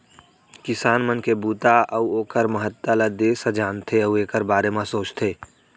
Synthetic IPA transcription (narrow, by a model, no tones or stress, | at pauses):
kɪsaːnmənkebuːt̪aʔəuoːkəɾməɦət̪ːələd̪eːsə̃d͡ʒaːnt̪ʰeəueːkəɾbaːɾemãsoːt͡ʃt̪ʰeː